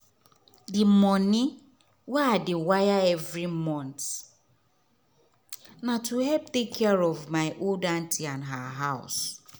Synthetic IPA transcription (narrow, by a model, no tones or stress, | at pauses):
dɪmɔnɪ | waadɪwajaɛvɹimɔ̃nt | natuɦɛp̚tekʰːɛɹɔvmaɪʔoldantiãnɦaɦaʊs